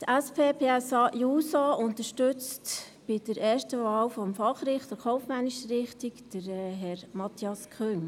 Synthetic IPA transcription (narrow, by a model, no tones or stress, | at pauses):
tæspʰeːpʰeːɛsɑːʔjuːsɑʊntəʃtøt͡st | b̥ɪd̥əɾɛːɾstəvɑːlfɔmfɑχɾɪχtdəɾχʰɔʊfmɛniʃəɾɪχtikd̥əɾɦɛɾmɑt̪ʰiɑskχøːn